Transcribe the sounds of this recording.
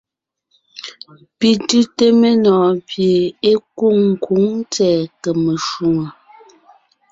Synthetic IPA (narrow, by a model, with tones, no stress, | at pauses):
pi˨tʉ˦te˦me˦nɔː˨pje˨e˦ku˦˨ŋŋ̩˨kʰu˨˦ŋt͡sɛː˦˨kə˨me˨ʃu˨ŋə˨